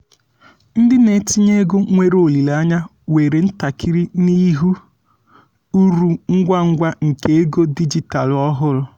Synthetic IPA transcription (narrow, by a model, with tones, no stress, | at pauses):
n̩˦dɪ˦ne˨ti˦ɲe˦ɡo˦ŋʷe˦ɾo˨li˨la˦ɲa˦ | we˨ɾe˨n̩˦ta˨kʰi˦ɾi˦ni˦ɦu˦ | u˦ɾu˨ŋ̩˦ɡʷa˦ŋ̩˦ɡʷa˦ŋ̩˨ke˦e˦ɡo˦di˦d͡ʒi˨ta˨lɔ˦ɦʊ˦ɾʊ˨